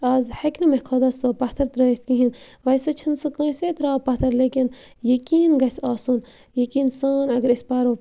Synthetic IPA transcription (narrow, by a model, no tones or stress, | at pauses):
ɐːzhɐkʲnɐmehkʰod̪ɐːsɨpɐht̪ʰɐɾt̪ɾɐːt̪̚ʰkĩɦin | ʋɐjsɐt͡ʃʰinsɨkə̃ːset̪ɾaːpɐt̪ʰɐɾleːkin | jɐkiːnɡɐsʲaːsuːn | jɐkiːnsaːnɐɡɐɾispaːɾo